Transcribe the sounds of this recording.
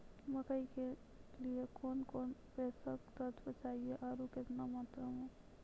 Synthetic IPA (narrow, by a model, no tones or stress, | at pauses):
məkəike | liekoːnkoːnpɛːsəkt̪ət̪ʰbət͡ʃaːɦieʔaːɾukɪt̪namaːt̪ɾəmẽ